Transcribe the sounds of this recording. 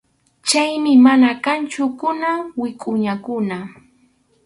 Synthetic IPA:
t͡ʃajmɪmanakant͡ʃʊkʊnawɪkʼʊɲakʊna

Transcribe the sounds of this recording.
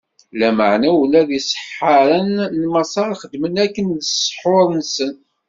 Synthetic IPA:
læməʕnælæðisˤə̥ħħːəɾˤənːmɑsˤɑɾˤχəd̪ːmənækːənðəsˤːħoɾˤnsən

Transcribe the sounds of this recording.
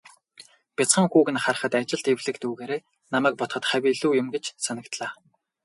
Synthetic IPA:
pʲat͡sχə̆ŋxuːɣɘ̆nχar̆χə̆t̪at͡ɕɪ̆ɮt̪ewɮɘ̆kt̪uːɣeːɾeː | namæːk̚pɔt̪χɞ̆t̪χæwʲiɮuːjʊmɡet͡ɕsanə̆kt̪ɮaː

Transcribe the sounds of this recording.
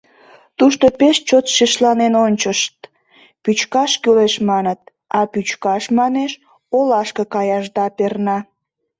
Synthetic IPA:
t̪uʃt̪opeʃt͡ɕot̪ʃiʃlɑnenonʲt͡ɕəʃt̪̚ | pyt͡ɕkɑʃkyleʃmɑnət̪̚ | ɑpyt͡ɕkɑʃmɑneʃ | olɑʃkəkɑjɑʒd̪ɑpernɑ

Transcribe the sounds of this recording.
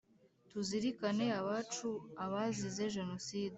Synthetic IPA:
tuziɾikane̞aβaːt͡ʃuaβazize̞ʒe̞no̞siːd

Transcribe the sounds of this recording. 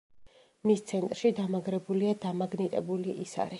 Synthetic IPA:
mist̪sʰɛnt̪ʼɾʃid̪amaɡɾɛbuliad̪amaɡnit̪ʼɛbuliʔisa̰ɾi

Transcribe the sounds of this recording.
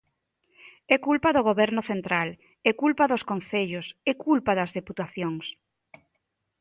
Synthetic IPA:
ɛkulpɐðʊɣ̞oβɛɾnʊθent̪ɾal | ɛkulpɐðoskon̟θeʎʊsɛkulpaðɐzðeput̪aθjoŋs

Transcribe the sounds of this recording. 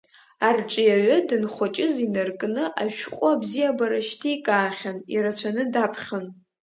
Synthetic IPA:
arʈ͡ʂʼɨjaɥadɨnχʷat͡ʃʼɪzinarkʼnɨʔaʃᶣqʷʼʊabzijabaɾaʃtʰijkʼaːχʲaniɾat͡ɕʷʰanɨdapʰχʲan

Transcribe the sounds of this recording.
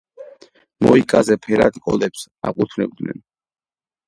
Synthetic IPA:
mɔikʼazɛpʰɛɾat̪kʼɔlɛps | a̰qʼut̪ʰnɛb̚d̪nɛ̰n

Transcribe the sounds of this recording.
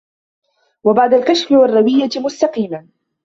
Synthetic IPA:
wabaʕd̪alkaʃfɪwɑrˤːɑwɪjːamʊst̪ɑqiːma

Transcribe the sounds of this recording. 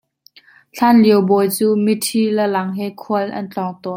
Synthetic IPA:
t͡ɬʰanliəwbɔjt͡suːmitʰiləlɐŋɦɛkʰuəlʔɐ̰nt͡ɬɔŋt̪ɔ

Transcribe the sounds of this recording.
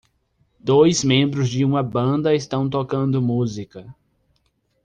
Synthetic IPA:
d̪ojzmẽmbɾʊzd͡ʒɪũmɐbɐ̃nd̪ɐɪst̪ɐ̃w̃t̪okɐ̃nd̪ʊmuzikɐ

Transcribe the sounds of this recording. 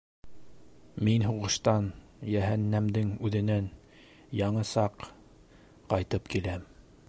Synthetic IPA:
minɦuʁɤ̆ʃt̪ɑnjæɦænːæmd̪ɘŋʉðɘ̆næn | jɑɴɤsɑq | qɑjt̪ɤpkilæm

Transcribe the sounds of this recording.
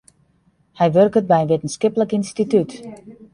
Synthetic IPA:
hɛjʋørkət̚bɛjənʋetən̩skɪpləkinstityt

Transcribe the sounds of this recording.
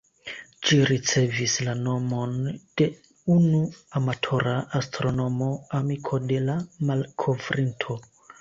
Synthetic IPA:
d͡ʒiɾit͡se̞vislano̞mo̞nd̥e̞ | unuamatʰo̞ɾaʔastɾo̞no̞mo̞amikʰo̞de̞lamalkʰo̞vɾʔintʰo̞

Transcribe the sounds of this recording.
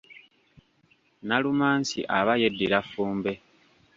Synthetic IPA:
nalumaːnsḭʔaβaje̞dːiɾafuːmbe̞

